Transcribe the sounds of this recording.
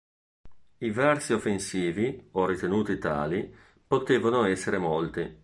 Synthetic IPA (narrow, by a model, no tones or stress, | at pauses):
ivɛrsiofːensiːviorit̪enuːt̪it̪a̰ːli | pot̪eːvanoɛsːeɾemolt̪i